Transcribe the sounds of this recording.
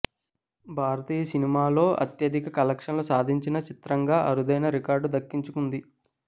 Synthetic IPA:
bʱaːɾɐt̪iːjɐsinimaːlo̞ːʔɐ̰t̪jɐd̪ʱikɐkɐlɐkʂɐnlosaːd̪ʱiɲt͡ʃinɐt͡ʃit̪ɾɐŋɡaːʔɐɾud̪ɐjnɐɾikaːɾɖud̪ɐkːiɲt͡ʃukund̪i

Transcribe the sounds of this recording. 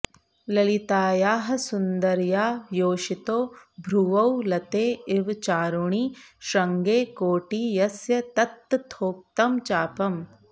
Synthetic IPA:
lɐlit̪aːjaːɦɐ̆sund̪ɐɾjaːjoːʃit̪oːbʱɾuʋɐwlɐt̪eːɪʋt͡ʃaːɾuɳiːʃɾɐŋɡeːkoːʈiːjɐsjɐt̪ɐt̪ːt̪ʰːoːk̚t̪ɐmt͡ʃaːpɐm

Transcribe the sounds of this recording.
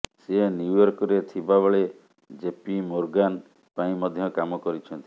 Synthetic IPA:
senjujɔɾkɔɾet̪ʰibabɔɭe | d͡ʒepimoɾɡan | paĩmɔd̪ʱjɔkamɔkɔɾit͡ʃʰɔnt̪i

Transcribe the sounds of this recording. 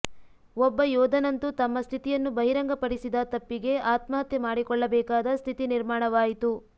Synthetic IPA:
ɔbːɐjɔːd̪ɐnɐnt̪ut̪ɐmːɐst̪ʰit̪ijɐnːubɐɦiɾɐŋɡɐpɐɽisid̪ɐt̪ɐpːiɡe̞aːt̪mɐɦɐt̪jɐmaːɽikɔɭːɐbɛːkaːd̪ɐst̪ʰit̪iniɾmaːɳɐʋaːjit̪u

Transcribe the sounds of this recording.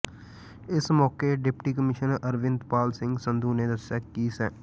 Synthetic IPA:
ɪsmɔːkeːɖɪpʈiːkəmɪʃənəɾʋɪ̃nd̪paːlsɪ̃ŋɡsənd̪ʱuːneːd̪əsjaːkkiːsɛː

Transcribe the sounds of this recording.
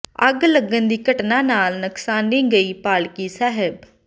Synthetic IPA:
əɡləɡːənd̪iːkəʈnãːnaːlnəksaːnĩːɡəiːpaːɭkiːsɛːɦɪb

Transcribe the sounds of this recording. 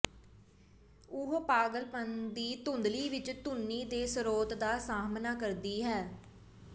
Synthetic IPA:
ʊɦpaːɡəlpənd̪iːt̪ʊnd̪liːʋɪt͡ʃt̪ʊnːiːd̪eːsəɾoːt̪d̪aːsaːmnaːkəɾd̪iːɦɛː

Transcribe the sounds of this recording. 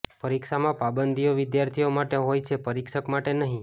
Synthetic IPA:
pəɾikʃamãpabənd̪ʱijoʋɪd̪jaɾt̪ʰijomaʈeɦojt͡ʃʰepəɾikʃəkmaʈenəɦĩ

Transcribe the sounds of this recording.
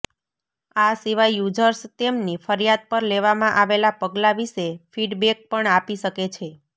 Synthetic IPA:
asiʋajːud͡ʒəɾst̪emnifəɾijad̪̚pəɾleʋamãʔaʋelapəɡlaʋiʃefiɖbek̚pəɳapiʃəket͡ʃʰe

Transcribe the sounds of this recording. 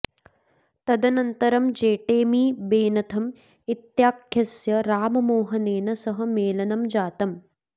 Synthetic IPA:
t̪ɐd̪ɐnɐnt̪ɐɾɐmd͡ʒeːʈeːmiːbeːnɐt̪ʰɐm | it̪jaːkʰjɐsjɐɾaːmɐmoːɦɐneːnɐsɐɦɐmeːlɐnɐmd͡ʒaːt̪ɐm

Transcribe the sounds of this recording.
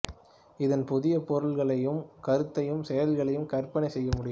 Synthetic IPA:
ɪðɐnpʊðɪjɐpɔɾɯɭɣɐɭɐjɯmkɐɾɯt̪ːɐjɯmsɛjɐlɣɐɭɐjɯmkɐrpɐnɐɪsɛjːɐmʊɽɪj

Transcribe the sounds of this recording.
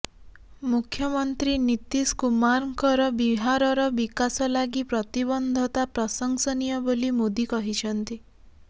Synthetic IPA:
mukʰːjɔmɔnt̪ɾinit̪iskumaɾŋkɔɾɔbiɦaɾɔɾɔbikasɔlaɡipɾɔt̪ibɔnd̪ʱɔt̪apɾɔsɔŋsɔnijɔbolimod̪ikɔɦit͡ʃʰɔnt̪i

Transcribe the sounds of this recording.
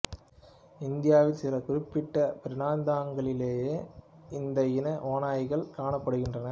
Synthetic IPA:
ɪnd̪ɪjaːʋɪlsɪɾɐkʊɾɪpːɪʈːɐpɪɾɪnaːnd̪aːŋɡɐɭɪleːjeː | ɪnd̪ɐjɪnɐʔoːnaːjɣɐɭkaːɳɐpːɐɽɯɣɪndrɐnɐ

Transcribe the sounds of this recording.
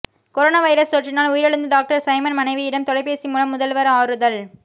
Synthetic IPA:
kɔɾoːnaːʋɐɪɾɐst̪oːʈrɪnaːlʊjɪɾɛɽɯnd̪ɯɖaːk̚ʈɐɾsɐɪmɐnmɐnɐɪʋijɪɽɐmt̪ɔlɐɪpːeːsimuːlɐmːʊðɐlʋɐɾɐaːɾɯðɐl

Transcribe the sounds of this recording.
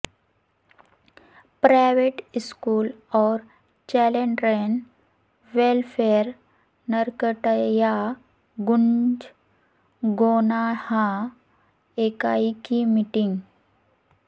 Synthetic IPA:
pɾajʋeʈiskuːlɔːɾ | t͡ʃɛlẽɳɖɾen | ʋelfʰeɾ | nəɾkəʈəja | ɡund͡ʒ | ɡonahã | ekaikimiʈĩŋɡ

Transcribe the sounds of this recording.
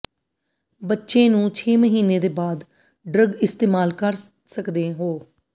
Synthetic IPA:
bətːʃẽːnũːt͡ʃʰeːməɦiːneːd̪eːbaːd̪ | ɖɾəɡɪst̪eːmaːlkəɾ | səkd̪eːɦoː

